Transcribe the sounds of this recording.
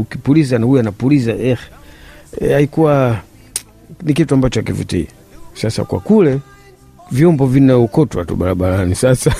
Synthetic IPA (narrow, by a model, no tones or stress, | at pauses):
ukipulizanahujanapulizaʔɛx | aikuwa | nikituambat͡ʃɔakivṵtḭa | sasa̰kwa̰kulɛ | vjɔmbɔvinaukɔtwatṵɓaɾaɓalanisasa